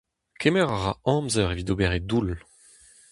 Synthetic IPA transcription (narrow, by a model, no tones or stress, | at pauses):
kʰemɛʁaʁa̰ɑ̃mzœʁevid̪obeʁed̪ul